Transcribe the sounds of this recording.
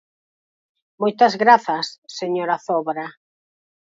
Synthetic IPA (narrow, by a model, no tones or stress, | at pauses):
mojt̪ɐzɣɾaθɐsːeɲoɾaθɔβɾa